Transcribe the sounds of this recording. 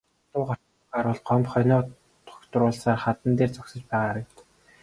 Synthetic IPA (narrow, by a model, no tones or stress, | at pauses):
t̪ʊːχɔr̥ | χaːɾʊɮɢɔmpχœniː | t̪ʰʊ̥kt̪ʊrʊːɮsaːrχat̪ə̆nt̪eːrt͡sɔksə̆t͡ɕpæːʁaːɾə̆kt̪ə̥̆k